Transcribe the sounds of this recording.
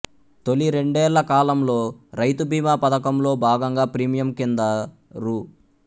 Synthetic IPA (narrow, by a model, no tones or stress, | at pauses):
t̪o̞liɾe̞ɳɖɛːlːɐkaːlɐmlo̞ːɾɐjt̪ubʱiːmaːpɐd̪ɐkɐmlo̞ːbʱaːɡɐŋɡaːpɾiːmijɐmkind̪ɐ | ɾu